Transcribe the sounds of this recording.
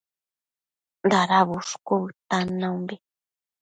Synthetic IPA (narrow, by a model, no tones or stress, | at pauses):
nd̪aɾaβuʂkoβɨt̪anãũmbe